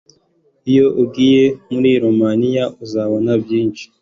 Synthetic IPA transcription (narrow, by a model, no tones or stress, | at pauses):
ijo̞ʔub̚ɡiːje̞muɾiɾomanijaʔuzaβo̞nabjiːnt͡ʃi̥